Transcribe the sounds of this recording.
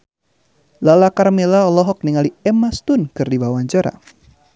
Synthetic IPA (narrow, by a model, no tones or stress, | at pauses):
lalakarmelaɔlɔɦɔk̚niŋaliɛmast̪ʊnkɨrdibawaɲd͡ʒaɾa̰